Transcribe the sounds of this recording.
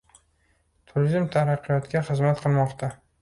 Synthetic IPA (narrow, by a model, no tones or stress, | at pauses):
t̪ʰʊɾzɪmt̪ʰaɾaqːɨjɒt̪ɡʲaχɨzmat̪qʰɨlˠmɒqt̪ʰa